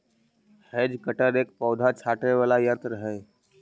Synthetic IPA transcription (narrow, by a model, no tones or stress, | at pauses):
hɛːd͡ʒkəʈəɾeːk̚pɔːd̪ʱat͡ʃʰaːʈeʋaːlajãːt̪ɾəɦɛː